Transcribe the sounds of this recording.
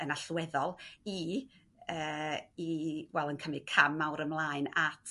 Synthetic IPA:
ənaɬwɛðɔlˠi | əːiwɛlˠənkʰəmɨ̥kʰamːawɾəmlˠaːɨnatʰ

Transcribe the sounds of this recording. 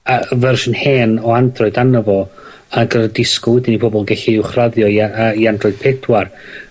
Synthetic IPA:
avɛrʃənheːnɔandrɔɨdanəvɔ | ənɡəɾədɪskɔwɪdɪnipʰɔbɔlˠɡɛɬiɪwχraðjɔaəiandrɔɨd̥̚pʰɛd̥war

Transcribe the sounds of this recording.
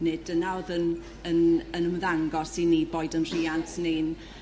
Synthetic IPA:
nɪd̥ənawðən | ənənəmðaŋɡɔsinːiːboːɨdənr̥iːantʰnejn

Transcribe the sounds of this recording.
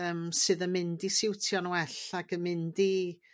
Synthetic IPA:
əːmsɨːðəmɪndisɪwtʰjɔnwɛɬaɡəmɪndi

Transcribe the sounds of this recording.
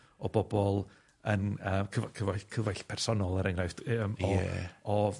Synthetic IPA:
ɔbɔbɔlˠ | ənəːmkʰəvkʰəvakʰəvajɬpʰɛr̥sɔnɔlˠəɾɛŋrajfd̥əmɔɛ̰ɔ

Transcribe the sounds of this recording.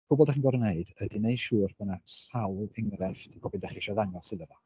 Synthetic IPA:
pʰʊbɔldaχinɡɔɾneɨd̥ədineɨ̥ʃuːrbʰanasawlˠɪŋɾɛftʰbʰɔbidaχiʃɔðanjɔsɪləva

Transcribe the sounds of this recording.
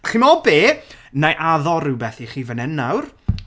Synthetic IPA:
χimɔbeːnajʔaðɔɾubɛθiχiːvənɛnːawr

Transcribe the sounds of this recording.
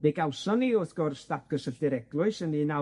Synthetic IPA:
b̥eɡawsɔniʊθɡ̥ɔrstap̚ʰɡ̥əsəɬdɪɾɛɡlˠʊɨsənina

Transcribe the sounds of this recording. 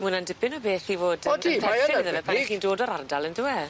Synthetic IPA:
munandɪbɪnɔbeːθivoːdɔdiɛaðəvɛpʰaχiːndoːdɔɾardalˠəndɪwɛ

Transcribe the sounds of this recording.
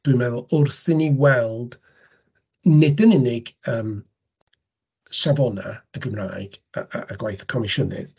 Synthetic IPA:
d̥wɨnmɛðʊlˠʊrsɪniwɛlˠd̥ | nɪdənɪnɪɡəːm | ʃavɔna̰əɡəmraːjɡ̥aaaɡwajθə̥kʰɔmɪʃənɪ̰ð

